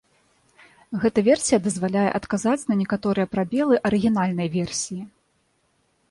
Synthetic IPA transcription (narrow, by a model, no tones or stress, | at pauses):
ɣɛt̪ɐvʲɛrsʲijɐd̪ɐzvalʲajɛ̰ʔɐt̪kazat͡sʲnɐnʲɛkat̪ɔɾɨjɛpɾabʲɛlˠɨʔɐɾɨɣʲinalʲn̪ɐjvʲɛrsʲiji